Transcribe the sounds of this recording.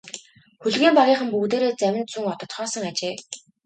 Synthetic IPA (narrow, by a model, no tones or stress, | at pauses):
xɵɮɣiːmpaɣʲiːχə̆mpukt̪̬eːɾeːt͡sæwʲɪ̆nt͡suŋɔt̪ɞ̆t̪χɔːsɞ̆ŋat͡ɕeː